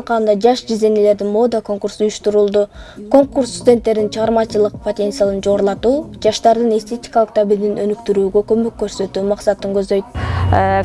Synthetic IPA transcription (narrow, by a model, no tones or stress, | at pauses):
lˠqɑlɯnd̪ɑd͡ʒɑʃd͡ʒize̞nele̞ɾd̪imo̞d̪əko̞ŋkuɾsujuʃt̪uɾulˠd̪uko̞ŋkurst̪udʲe̞nt̪ːe̞ɾd̪int͡ʃʰəʁɑɾmɑt͡ʃɯlˠɯq̚pʰo̞t̪ʲe̞nt̪sjalˠɯnd͡ʒo̞ːɾlˠɑt̪uːd͡ʒɑʃt̪ɑɾd̪ɯnest̪ʰe̞t̪ʲi̥kɑlˠəq̚t̪ʰabild̪inø̰nykt̪yɾyːɡø̞kø̞møkːø̞ɾsø̞t̪yːmɑqsɑt̪ːɯŋkø̞zd̪ø̞jt̪̚